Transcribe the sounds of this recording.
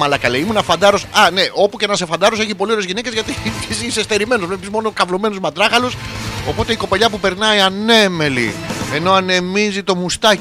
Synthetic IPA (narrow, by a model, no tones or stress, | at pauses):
mɐlɐkɐleimunɐfɐnd̪ɐɾo̞sɐne̞ʔo̞puceenɐsefɐnd̪ɐɾos̬eçipo̞lioɾezʝine̞ce̞zʝɐt̪it̪isisest̪e̞ɾime̞nozvlepizmo̞nokɐvlome̞nozmɐt̪ɾɐxɐloso̞po̞t̪e̞iko̞peʎɐpupe̞ɾnɐiɐne̞me̞lḭe̞no̞ɐne̞mizit̪o̞must̪ɐ